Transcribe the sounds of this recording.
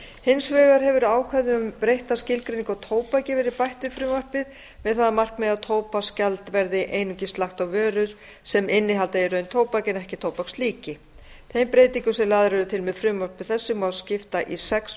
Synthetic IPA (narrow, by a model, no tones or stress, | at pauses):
hɪnsvɛːɣaɾ̥ɦɛvʏɾaːwkʰvaðʏʏmpɾejht̪ascɪlkɾejniŋkawt̪ʰoːwpajcɪvɛːɾɪpajht̪ʏfɾʏːmvar̥pɪð | vɛðθaðamar̥knmɛðaðt̪ʰoːwpascalt̪vɛɾðɪʔeːjnʏɲcɪst̪laxt̪awvœːɾʏɾ̥ | sɛmɪnːɪɦalt̪aɪɾœɥnt̪ʰoːwpacɪnɛhcɪt̪ʰoːwpakst̪liːcɪ | t̪ʰejmpɾeːjt̪iŋkʏsɛmlaːðɾvɛɾʏt̪ʰɪlmɛðfɾʏmvaɾ̥pɪ̥θɛsːʏmaðscɪft̪aʔisɛks